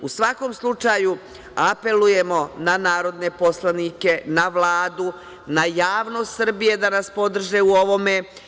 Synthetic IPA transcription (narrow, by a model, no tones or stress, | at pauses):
usʋako̞mslˠut͡ʃaju | ape̞luje̞mo̞nanaːɾo̞d̪ne̞po̞slˠanike̞naʋlˠaːd̪u | najaːʋno̞ːst̪sr̩bije̞d̪anaspo̞d̪r̩ʒeuo̞ʋo̞me